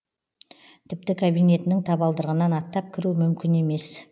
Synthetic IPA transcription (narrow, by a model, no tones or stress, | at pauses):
t̪ʰɪp̚t̪ɪkʰabijne̞t̪ɪnɪŋt̪ʰɑbɑlˠd̪əɾʁənɑnɑt̪ːɑp̚kʲʰɪɾumʏmkʲɪne̞me̞s